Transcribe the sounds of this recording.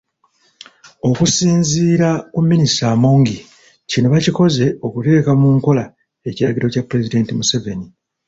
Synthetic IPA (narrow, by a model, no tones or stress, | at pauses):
o̞kusiːnziːɾakumːinistamo̞ːŋɡi | cino̞βaciko̞ze̞o̞kute̞ːkamuːŋko̞la | e̞ciɾaɟiɾo̞capːɾe̞zide̞ːntimuse̞ve̞ni